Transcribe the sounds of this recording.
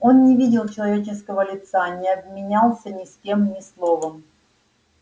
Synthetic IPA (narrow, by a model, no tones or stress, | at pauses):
o̞nnʲɪvʲidʲɪlˠt͡ɕɪlˠɐvʲet͡ɕɪskəvəlʲɪt̪sanʲɪɐb̚mʲɪnʲalˠsʲənʲɪskʲe̞mnʲɪslˠo̞vəm